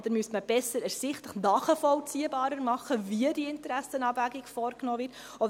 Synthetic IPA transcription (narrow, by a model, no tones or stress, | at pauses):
d̥̪əɾmyəstməb̥ɛsəɾɛɾsɪχtləχnɑːχəfɔlt͡siːəbɑːɾəɾmɑχːəviədiɪntəɾæsənɑːbvæɡikfɔːrknɔːvɪɾt | ɔ